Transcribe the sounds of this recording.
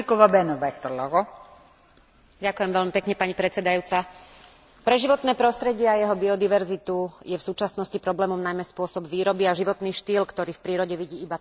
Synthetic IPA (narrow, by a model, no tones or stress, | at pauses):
ikɔʋabɛnɔʋaxt̪ɔlɔɣɔ | ɟakʊjɛmʋɛʎmipɛkɲɛpaɲipɾɛt͡sɛd̪ajuːt͡sa | pɾɛʒiʋɔt̪nɛːpɾɔst̪ɾɛɟɪɛajɛɦɔbiɔd̪iʋɛɾzit̪ujɛfsuːt͡ʃasnɔscipɾɔblɛːmɔmnajmɛspʊɔsɔbʋiːɾɔbiaʒiʋɔt̪niːʃt̪iːlkt̪ɔɾiːfpɾiːɾɔɟɛʋiɟiːiba